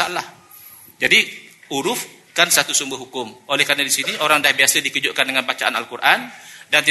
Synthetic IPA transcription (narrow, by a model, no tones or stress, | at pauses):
alah | d͡ʒadiuɾʊf | kansat̪usumbəhɦukʊmʔolɛhkaɾanadisiniʔoɾaŋdahbiasədikəd͡ʒʊʔ̚kandəŋanbat͡ʃaʔana̰lkuɾʔandant̪i